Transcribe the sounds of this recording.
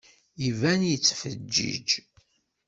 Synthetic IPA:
ivænjət͡sːfəd͡ʒːḭd͡ʒ

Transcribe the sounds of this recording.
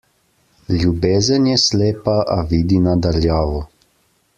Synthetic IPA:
lʲjubeːzənjɛsleːpaʔaʋiːd̪inad̪aljaːʋɔ

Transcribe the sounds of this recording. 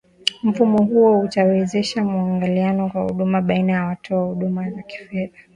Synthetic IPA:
m̩fumɔɦuɔutawɛzɛʃamuaŋɡalianɔkwahṵɗumaɓainajawatʰɔahuɗumazaki̥fɛða

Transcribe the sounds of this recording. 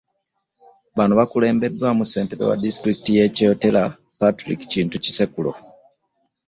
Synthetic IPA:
βanuβakule̞ːmbe̞dːwamuse̞ːnteβḛwa̰distɾikitije̞ːcootela | patɾḭki̥ciːntuci̥sekulo̰

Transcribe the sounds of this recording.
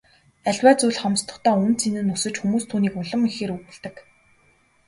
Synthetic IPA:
æɮwæːt͡suɮχɔmst̪ɞ̆χt̪ʰœːɵnt͡sʰinɘ̆nːɵsɘ̆t͡ɕxumuːst̪ʰuːniːkʊɮə̆mixeːɾuɣɘ̆ɮt̪ɘ̆k

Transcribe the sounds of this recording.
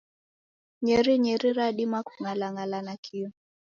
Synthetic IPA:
ɲɛɾiɲɛɾiɾaɗimaku̥ŋalaŋalanakʰiɔ

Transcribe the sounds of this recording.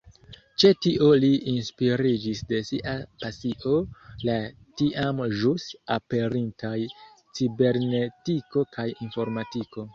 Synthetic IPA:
t͡ʃe̞tiʔo̞liinspiɾid͡ʒisde̞siʔapasiʔo̞la | tiʔamʒusape̞ɾintʰaj | t͡sibe̞ɾne̞tiko̞kʰajinfo̞ɾmatiko̞

